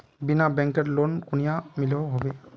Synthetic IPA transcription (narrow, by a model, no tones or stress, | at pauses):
binabɛŋkɛtlonkunijamilɛwɦɔbɛ